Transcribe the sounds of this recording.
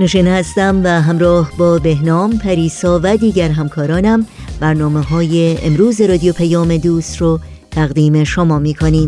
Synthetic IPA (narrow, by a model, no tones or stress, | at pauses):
neʃiːnehæst̪æmvæɦæmɾɒːhbɒːbe̞ɦnɒːmpʰæɾiːsɒːvæd̪iːɟæɾɦæmkʰɒːɾɒːnæm | bæɾnɒːmeɦɒːje̞emɾuːzeɾɒːd̪ijopʰæjɒːme̞d̪uːst̪ro | t̪ʰæɣd̪iːme̞ʃomɒːmiːkʰoniːm